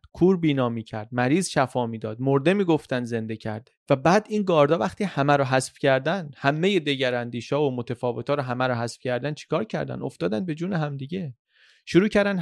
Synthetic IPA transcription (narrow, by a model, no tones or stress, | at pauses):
kʰuːɾbiːnɒːmiːcʰæɾd̪̥̚mæɾiːzʃæfɒːmiːd̪ɒːd̪̥moɾd̪e̞miːɡoft̪ænd̪ze̞nd̪ecʰæ̰ɾd̪væbæːd̪iːnɡɒːɾd̪ɒːvæxt̪ihæmæɾɔɦæsfcʰæɾd̪ænhæmːe̞je̞d̪eɟæɾænd̪iːʃɒːvomot̪ʰefɒːve̞t̪ʰɒːɾɔɦæmæɾɔɦæsfcʰæɾd̪ænt͡ʃʰi̥kʰɒːɾcʰæ̰ɾd̪æ̰no̞̰ft̪ɒːd̪æn̚be̞d͡ʒuːneɦæmd̪iɟe̞ | ʃoɾuːcʰæɾd̪æn